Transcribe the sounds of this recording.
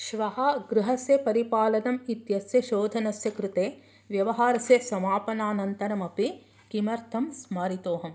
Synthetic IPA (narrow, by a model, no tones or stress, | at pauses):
ʃʋɐɦɐɡɾuɦɐsjɐpɐɾipaːlɐnɐmit̪jɐsjɐʃoːd̪ʱɐnɐsjɐkɾut̪eː | ʋjɐʋɐɦaːɾɐsjɐsɐmaːpɐnaːnɐnt̪ɐɾɐmɐpi | kimɐɾt̪ʰɐmsmaːɾit̪oːɦɐm